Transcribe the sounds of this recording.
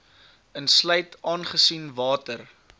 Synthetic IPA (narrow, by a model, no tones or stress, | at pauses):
ənsləjtɑːnχəsinvɑːtər